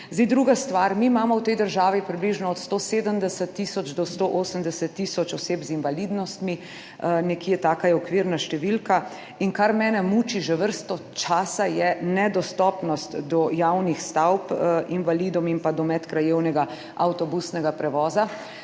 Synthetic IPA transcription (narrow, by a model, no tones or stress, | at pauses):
zd̪ijd̪ɾuːɡast̪ʋaɾmiːmaːmɔwt̪ɛjd̪əɾʒaːʋipɾibliʒnɔɔt̪st̪oseːd̪əmd̪ɛsət̪ːisɔd͡ʒd̪ɔst̪oʔosəmd̪ɛsət̪ːisɔt͡ʃɔseːpzinʋalid̪nɔst̪mi | nɛkiːɛt̪aːkajɛɔkʋiɾnaʃt̪ɛʋilka | inkaɾmɛːnɛmut͡ʃiʒɛʋəɾst̪ɔt͡ʃaːsajɛnɛd̪ɔst̪ɔpnɔst̪d̪ɔjawnixst̪awpinʋalid̪ɔmimpad̪ɔmɛt̪kɾajewnɛɡa | awt̪ɔbusnɛɡapɾɛʋɔːza